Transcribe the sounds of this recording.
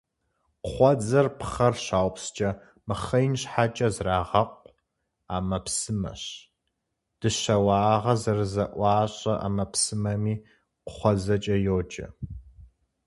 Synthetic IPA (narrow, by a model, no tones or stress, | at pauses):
qχʷɔd͡zɐrpʰχɐrɕaːwpst͡ʃʼɐ | mɨχɐjnɕħat͡ʃʼɐzraːʁɐqʷʼ | aːmɐpsɨmɐ̰ɕ | d̥ɨɕɐwɑːʁɐzɐrɨzɐʔʷɑːɕʼɐʔa̰mɐpsɨmɐmiː | qʷʊχʷɔzɐt͡ʃʼɐjoːd͡ʒʼɐ̰